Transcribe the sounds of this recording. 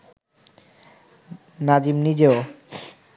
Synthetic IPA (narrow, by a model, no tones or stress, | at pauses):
nad͡ʑimnid͡ʑeo